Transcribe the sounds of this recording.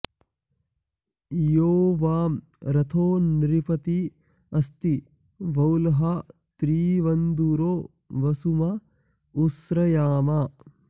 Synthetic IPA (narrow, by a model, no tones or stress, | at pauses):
joːʋaːm | ɾɐt̪ʰoːniɾipɐt̪i | ɐst̪i | ʋɐwlɐɦɐ | t̪ɾiːʋɐnd̪uɾoː | ʋɐsumɐ | usɾɐjaːma